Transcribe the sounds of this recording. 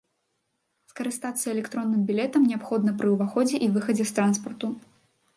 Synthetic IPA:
skɐɾɨst̪at̪sːɐɛlʲɛkt̪ɾɔnːɨmbʲilʲɛt̪ɐmnʲɛapxɔd̪nɐpɾɨuvaxɔd͡zʲɛʔivɨxɐd͡zʲɛst̪ɾanspɐrt̪u

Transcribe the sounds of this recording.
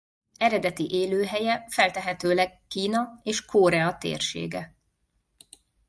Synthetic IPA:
ɛɾɛd̪ɛt̪iʔeːløːɦɛjɛfɛlt̪ɛɦɛt̪øːlɛɡːiːnɒeːʃkʰoːɾɛɒt̪ḛːrʃḛːɡɛ

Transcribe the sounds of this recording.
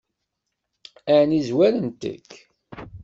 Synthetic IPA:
ænizwæɾənt̪ə̰kː

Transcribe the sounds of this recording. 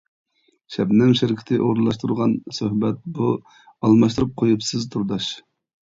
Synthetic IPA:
ʃɛbnɪŋʃɪɾkʲʰɪ̥t̪ʰɪʔoɾnlˠɑʃt̪uɾʁɑnsøhbɛt̪̚bu | ɑlˠmɑʃt̪ɨɾup̚qʰojupsɨzt̪ʰuɾd̪ɑʃ

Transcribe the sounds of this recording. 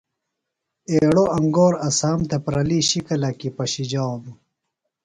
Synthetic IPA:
eːɽoʔɐŋɡoːɾɐsaːmt̪ʰepɾɐliːɕikɐlɐkipɐɕid͡ʑaːnu

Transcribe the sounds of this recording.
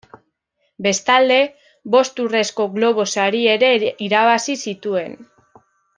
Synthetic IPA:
be̞st̪ald̪e̞ | βo̞st̪ure̞sko̞ɣlo̞β̞o̞saɾie̞ɾe̞iɾaβ̞asisit̪ue̞n

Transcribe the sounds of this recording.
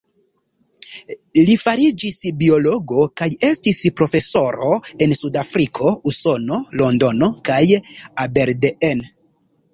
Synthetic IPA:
lifaɾid͡ʒisbio̞lo̞ɡo̞kaje̞stispɾo̞fe̞so̞ɾo̞e̞nsudafɾikʰo̞uso̞no̞lo̞ndo̞no̞kajabe̞ɾdeen

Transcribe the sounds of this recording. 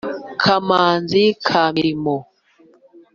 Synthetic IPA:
kʰamaːnzikʰamiɾimɔ

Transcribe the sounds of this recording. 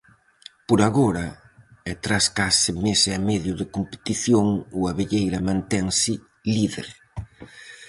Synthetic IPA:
poɾaɣoɾa | ɛt̪ɾaskasɪmesamɛðjʊðɪkompe̥t̪iθjoŋuaβeʎejɾɐmãnt̪ɛŋsɪ | liðḛɾ

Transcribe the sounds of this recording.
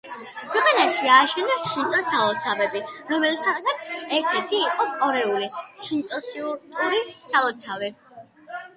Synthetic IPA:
kʰwɛqʼanaʃiaːʃɛnɛsʃint̪ʼɔsalˠɔt̪sʰavɛbiɾɔmɛlt̪ʰat̪ɡanɛɾt̪ʰɛɾt̪ʰiːqʼɔkʼɔɾɛuliʃint̪ʼɔsiuɾt̪ʼuɾisalˠɔt̪sʰavɛ

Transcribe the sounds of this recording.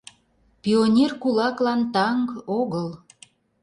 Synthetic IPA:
pionʲerkulɑklɑnt̪ɑŋɡoɣəl

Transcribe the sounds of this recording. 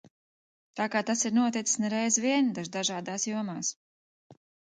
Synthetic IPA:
t̪aːkaːt̪asiɾnuɔt̪it̪i̥snɛɾɛjzviɛnd̪aʒd̪aʒaːd̪aːsjuɔmaːs

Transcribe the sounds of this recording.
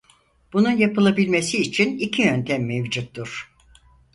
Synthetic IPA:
b̥ununjapɯlˠabilʲmesiːt͡ʃʰinicʰijønt̪ʰɛmːevd͡ʒut̪ːuɾ̥

